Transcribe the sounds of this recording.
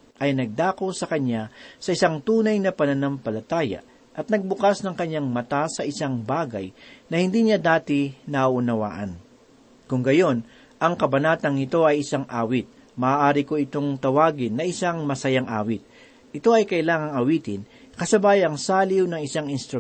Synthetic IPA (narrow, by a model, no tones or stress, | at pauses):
ʔɐjnɐɡ̚d̪aːko̞sɐkɐɲːasɐʔɪsaŋt̪uːnɐjnɐpɐnɐnampɐlɐt̪aːjɐ̰ | ʔɐt̪̚nɐɡ̚bʊkasnɐŋkɐɲːaŋmɐt̪asɐʔɪsaŋbaːɡɐ̰jnɐhɪnd̪iːɲad̪aːt̪ɪnɐʔʊnɐwa̰ːʔɐn | kʊŋɡɐjo̞n | ʔɐŋkɐbɐnaːt̪ɐŋɪt̪o̞ʔɐjɪsaŋʔaːwɪt̪̚ | mɐʔaːʔaːɾɪko̞ɪt̪o̞ŋt̪ɐwaːɡɪnːɐʔɪsaŋmɐsɐjaŋʔa̰ːwɪt̪̚ | ʔɪt̪o̞ɐjkɐʔɪlaːŋɐŋɐwiːt̪ɪnkɐsɐbaːjɐŋsaːlɪwnɐŋɪsaŋɪnst̪ɾʊ